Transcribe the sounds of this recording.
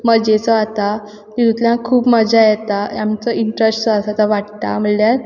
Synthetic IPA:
məd͡ʑet͡sɔat̪a | k̪iɾut̪ljãkʰuːpməd͡ʑajɛt̪ajamt͡sɔiɳʈɾesʈt͡sɔasat̪aʋaʈt̪a̰m̤əljaɾ

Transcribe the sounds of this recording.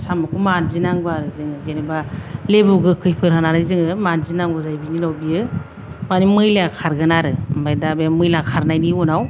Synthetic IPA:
samɯkʰumanzinaŋbɯaɾɯzɯŋɯzenebalebuɡɯkʰɯjpʰɯɾɦanaɾɯzɯŋɯmanzinaŋbɯzajbinilawbiɯ | manimɯjleakʰaɾɡɯnaɾɯmbajdabemɯjlakʰaɾnajniunaw

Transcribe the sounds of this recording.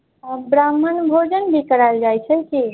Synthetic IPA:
bɾamːənbʱod͡ʒənbʱikəɾald͡ʒajt͡ʃʰɛlki

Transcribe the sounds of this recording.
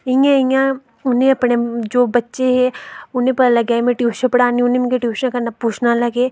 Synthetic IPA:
ɪjãɪ̃ã | ʊnɦẽɐpned͡ʒoːbɐtːʃeɦɛʊnẽpɐlɐɡaːemẽʈjuːʃə̃pɐɽaːniʊnẽmkeʈjuːʃəkɐɾnapuːt͡ʃʰnalɐɡeː

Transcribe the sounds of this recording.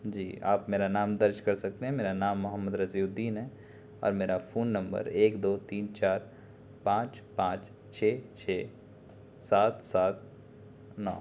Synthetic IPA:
d͡ʒiːa̰ːpmeːɾanaːmd̪ɐɾd͡ʒkɐɾsɐk̚t̪ẽɦɛ̃meːɾanaːmːʊɦəmːəd̪ɾɐziʊd̪ːiːnɦɛː | ɔ̰ːɾmeːɾafoːnːɐ̃mbə̰ɾeːkd̪oːt̪iːnt͡ʃaːɾ | pãːt͡ʃ | pãːt͡ʃ | t͡ʃʰeːt͡ʃʰeː | saːt̪saːt̪̚ | nɔ̰ː

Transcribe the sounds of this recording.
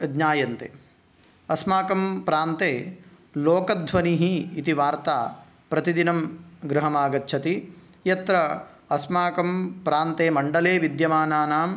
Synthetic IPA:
ɡɲaːjɐnt̪ḛː | ɐsmaːkɐmpɾaːnt̪eː | loːkɐd̪ʱʋɐniɦiːt̪iʋaːɾt̪aː | pɾɐt̪id̪inɐmɡɾɐɦɐmaːɡɐtːʃʰɐt̪i | jɐt̪ɾɐ | ɐsmaːkɐmpɾaːnt̪eːmɐɳɖɐleːʋid̪jɐmaːnaːnaːm

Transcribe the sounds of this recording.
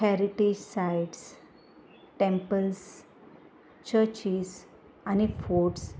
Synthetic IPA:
hɛɾiʈed͡ʑsajiɖs | ʈẽmpəls | t͡ɕəɾt͡ɕis | anifoʈs

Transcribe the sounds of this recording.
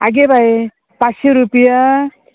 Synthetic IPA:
aɡebʱaj | paseɾupija

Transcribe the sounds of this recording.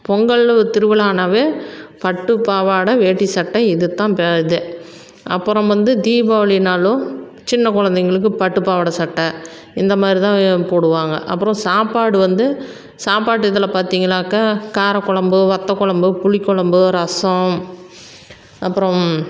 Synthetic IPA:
pɔŋɡɐɭt̪ɪɾɯʋɐɭaːnaʋeːpɐʈːɯpaːʋaːɽɐʋeːʈːisɐʈːɐɪðɯt̪ːãːpeðɯ | ɐpːɯɾɔ̃ʋɐnd̪ɯd̪iːbaːʋɐɭɪnaːɭʊ̃ | t͡ʃɪnːɐkɔɻɐnd̪ɐŋɡɐɭɯk̬ːɯpɐʈːɯpaːʋaːɽɐsɐʈːɐ | ɪnd̪ɐmaːd̪ɾit̪ãːpoːɽɯʋaːŋɡɐ̰ʔɐpːɯɾɔ̃saːpaːɽɯʋɐnd̪ɯ | saːpaːʈːɯɪðɐlɐpaːɾt̪iːŋɡɐɭaːkakaːɾɐkːɔɭɐmbɯʋɐt̪ːɐkːɔɭɐmbɯpʊɭɪkːɔɭɐmbɯɾɐsɐ̃ | ɐpːɯɾɔ̃

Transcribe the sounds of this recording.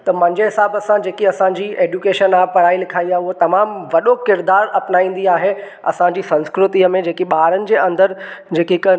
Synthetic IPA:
t̪ɐmɐ̃ɲd͡ʑeɦɪsaːbəsãd͡ʑeːkiɐsãɲd͡ʑiʔeːd͡ʑukeːʃənaːpɐɾaːilɪkʰaːiaːʊɦot̪ɐmaːmʋɐɗokɪɾd̪aːɾɐpnaːĩːn̆d̪iaːɦe | ɐ̰sãɲd͡ʑiːsɐ̃nskɾʊt̪iəmẽd͡ʑeːkiɓaːɾənɪ̆d͡ʑeːɐ̃nd̪əɾd͡ʑeːkikə

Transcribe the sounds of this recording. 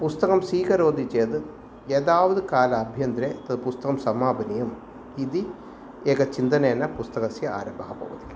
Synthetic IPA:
pust̪ɐkɐmsiːkɐɾoːd̪ʱit͡ʃeːd̪ɨ | ed̪aːʋɐðukaːlɐːbʱjɐnd̪ɾeːt̪ɐd̪ɨpust̪ɐkɐmsɐmaːbɐnijɐm | id̪i | eːkɐt͡ʃind̪ɐneɐnːɐpust̪ɐkɐsjɐa̰ːɾɐmbʱɐɦɐpɐ̰ːʋɐt̪ilː

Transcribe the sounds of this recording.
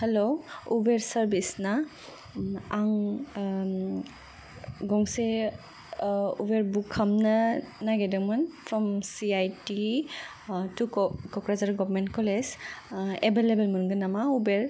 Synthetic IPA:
heloubeɾsaɾbisna | aŋ | ɡɔŋse | ṵbeɾbukʰːamnanaɡedɯŋmɯnpʰɾɔmsiajti | tukɔkɾazaɾɡɔɾmentkɔlez | ebelebelmunɡɯnamaubeɾ

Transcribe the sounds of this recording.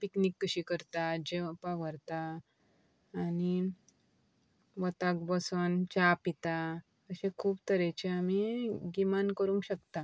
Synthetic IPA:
piknikːəɕikəɾt̪ad͡ʑepaʋəɾt̪a | ni | ʋət̪ak̚bəsənt͡ɕapit̪a | əɕẽkʰuːbt̪əɾet͡ɕeamiɡimankəɾũːŋɕəkt̪a

